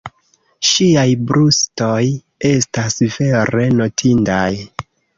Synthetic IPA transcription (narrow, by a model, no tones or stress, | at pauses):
ʃiajbɾusto̞j | e̞stasve̞ɾe̞no̞tʰindaj